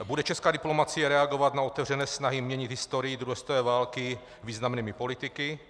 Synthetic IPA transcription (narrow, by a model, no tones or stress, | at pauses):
budɛt͡ʃɛskaːdɪplo̞mat͡sɪjɛɾɛaɡovat̪naot̪ɛvr̝ɛnɛːsnaɦɪmɲɛɲɪd̪ɦɪst̪oɾɪjɪd̪ɾuɦɛst̪ovɛːvaːlkɪ | viːznamniːmɪpo̞lɪt̪ɪkɪ